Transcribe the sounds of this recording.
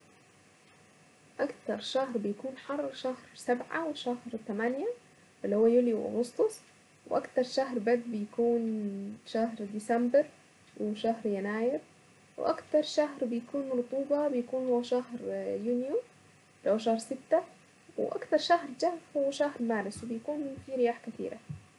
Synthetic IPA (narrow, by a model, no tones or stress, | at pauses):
ʔakt̪ɑɾˤʃahɾbɪjakuːnħɑrˤːʃahɾsabʕa̰wɪʃahɾt̪amanja | ʔɪlːihuwːajuljuwʔʊ̰ɣʊst̪ˤʊsˤ | wʔakt̪ɑɾˤʃaɦɾbad̪̚bɪjakuːnʃaɦɾd̪ɪsambɪɾ | wʔɪʃahɾjanaːjɪɾ | w̰ʔakt̪ɑɾˤʃaɦɾbɪjakuːnɾˤʊt̪ˤuːbɑbɪjakuːnhuwːaʃahɾjunju | ɪlhuːaʃahɾsɪt̪ːa | wɪʔa̰kt̪ɑɾˤʃahɾd͡ʒahfhʊwːaʃahɾmaːɾɪswbɪjakuːnfiːɾɪjaːħkat̪ḭːɾa̰